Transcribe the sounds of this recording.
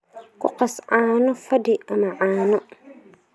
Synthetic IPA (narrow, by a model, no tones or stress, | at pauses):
kʊ̰qəsaːnʊfadɪəmaʔaːnʊ